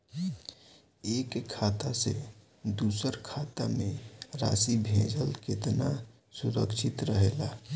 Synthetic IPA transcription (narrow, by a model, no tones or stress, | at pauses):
eːkʰːaːt̪asḛ | d̪uːsəɾkʰat̪amẽɾa̰sibʱẽd͡ʒəlket̪na | sʊɾə̰kʃʰɪt̪ɾəɦela